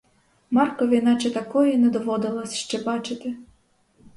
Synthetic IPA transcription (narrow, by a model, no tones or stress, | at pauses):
mɑrkɔʋʲijnɑt͡ʃɛt̪ɐkɔjɛnɛd̪ɔʋɔd̪ɪlˠɐsʲʃt͡ʃɛbɑt͡ʃɪt̪ɪ